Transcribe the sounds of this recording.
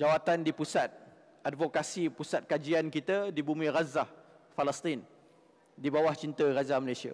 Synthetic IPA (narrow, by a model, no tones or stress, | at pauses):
d͡ʒawat̪andipusat̪̚ | ʔadvokasipusat̪̚kad͡ʒiankit̪adibumĩɾazah | faləst̪in | dibawaht͡ʃint̪ərazaməlasia̰